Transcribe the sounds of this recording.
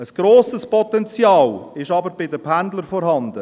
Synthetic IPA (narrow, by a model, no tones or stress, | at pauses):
əsɡ̥ɾoːsəspʰɔt̪ɛnt͡sjɑːlɪʃɑbəɾbɪdəpʰændləɾfɔɾhɑnd̪ə